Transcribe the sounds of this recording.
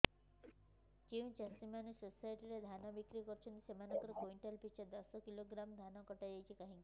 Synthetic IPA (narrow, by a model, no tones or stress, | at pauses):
t͡ʃiwt͡ʃasimanusosajʈiɾed̪ʱanɔbikɾikɔɾt͡ʃʰɔnt̪isemanɔkɔɾɔkoiɳʈelpit͡ʃad̪ɔsɔkiloɡɾamd̪ʱanɔkɔʈad͡ʒajt͡ʃʰikaɦĩki